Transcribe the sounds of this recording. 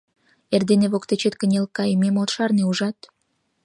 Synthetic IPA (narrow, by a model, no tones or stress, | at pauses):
erd̪eneβokt̪et͡ɕet̪kə̆nʲelkɑjmemot̪ʃɑrneuʒɑt̪